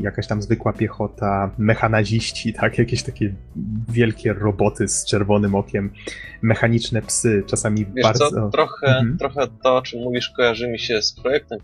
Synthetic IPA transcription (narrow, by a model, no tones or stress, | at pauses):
jakaɕt̪amzvɘkwapʲjɛxɔt̪amɛxanaʑiɕt͡ɕit̪ʰakjakʲeɕt̪akʲɛ | vʲjɛlkʲɛɾɔbɔt̪ɘst͡ʂɛɾvɔnɘmɔkʲɛmːɛxaɲit͡ʂnɛpsɘt͡ʂasamʲivbaaɾd̪zɔɾɔxɛt̪ɾɔxɛt̪ɔɔt͡ʂɨmːuvʲiʂkɔjaʐɨmʲiɕɛspɾɔjɛk̚t̪ɛm